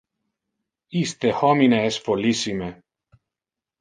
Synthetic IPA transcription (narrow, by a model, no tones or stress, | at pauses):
ist̪ehɔmineɛsfolisime